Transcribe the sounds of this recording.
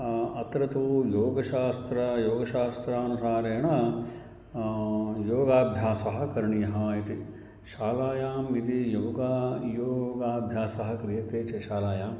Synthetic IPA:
ɐt̪ɾɐt̪ujoːɡɐʃaːst̪ɾɐjoːɡɐʃaːst̪ɾaɐnusaːɾeːɳɐ | joːɡaːbʱjaːsɐɦɐ̆kɐɾɳijɐɦɐit̪i | ʃaːlaːjaːmit̪ijoːɡaːjoːɡaːbʱjaːsɐɦɐ̆kɾijɐt̪eːt͡ʃɐʃaːlaːjaːm

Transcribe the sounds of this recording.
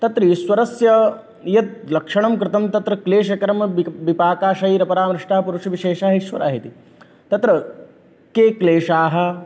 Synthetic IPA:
t̪ɐt̪ɾiswɐɾɐsjɐ | jɐt̪̚lɐkʂɐɳɐmkɾɪt̪ɐmt̪ɐt̪ɾɐkleːʃɐkɐɾɐmɐʋipaːkaːʃɐiɾɐpɐɾaːmɾɪʂʈaːɦɐpuɾuʂɐʋiʃeːʃaːɦɐiʃʋɐ̰ɾa̰ːɦit̪i | t̪ɐt̪ɾɐ | keːkleːʂaːɦɐ̆

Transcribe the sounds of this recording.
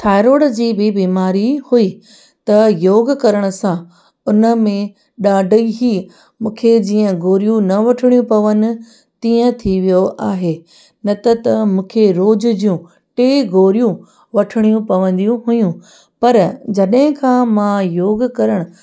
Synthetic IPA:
t̪ʰaːɪɾoːɽd͡ʑiːbɪbiːmaːɾihuiː | t̪ɐjoːɡkɐɾəɽ̃ʊ̆sã | ʊnə̆mẽ | ɗaːɖʱəiɦiː | mũːkʰed͡ʑiːə̃ɡoːɾijũnɐʋɐʈʰɪɽijũpɐʋənɪ̆ | t̪ĩːə̃t̪ʰiʋijoʔaːɦeː | nɐt̪ɐt̪ɐmũːkʰeɾoːd͡ʑʊ̆d͡ʑijũ | ʈeːɡoːɾijũ | ʋɐʈʰɪɽ̃ijũpɐʋə̃nd̪ijũɦʊjũ | pɐɾd͡ʑɐɗɦɪ̃kʰãːmãjoːɡkɐɾəɽ̃ʊ

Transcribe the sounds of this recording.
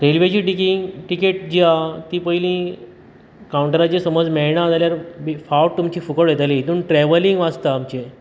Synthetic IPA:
ɾelʋet͡ɕiːʈikiŋʈikeʈd͡ʑiat̪iːpəilĩ | kawɳʈəɾat͡ɕesəməd͡zmeɭɳad͡zaljaɾbifawʈ̚t̪umt͡ɕiːfukəɭjet̪alit̪uːnʈɾɛʋəliŋɡʋast̪aːmt͡ɕe

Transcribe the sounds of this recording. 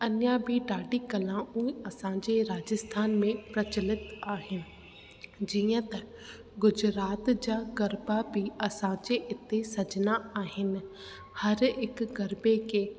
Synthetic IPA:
ɐnjabʱiɖaːɖʱikɐlãuːĩɐsãd͡ʑeɾaːd͡ʑəst̪ʰaːnmẽpɾɐt͡ɕəlɪt̪aːɦɪnɪ̆ | d͡ʑiːə̃t̪ɐ | ɡʊd͡ʑɾaːt̪d͡ʑaːɡɐɾbabʱɪɐsãd͡ʑeʔɪt̪esɐd͡ʑnaaːɦɪnɪ̆ | hɐɾɪkɡɐɾbekeː

